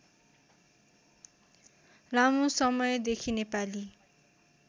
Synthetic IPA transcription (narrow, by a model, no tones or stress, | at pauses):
lamusʌmʌjd̪ekʰinepali